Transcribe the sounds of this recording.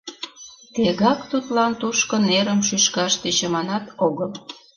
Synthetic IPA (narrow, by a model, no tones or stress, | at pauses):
t̪eɣɑkt̪ut̪lɑnt̪uʃkə̆neɾəmʃyʃkɑʃt̪et͡ɕə̆mɑnɑt̪oɣəl